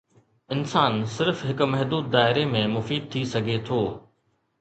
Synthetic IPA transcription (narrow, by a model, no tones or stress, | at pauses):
ɪnsaːnsɪɾfɦɪkʊ̆mɐɦd̪uːd̪ːaːɪɾemẽmʊfiːd̪̚t̪ʰisɐɡʱet̪ʰoː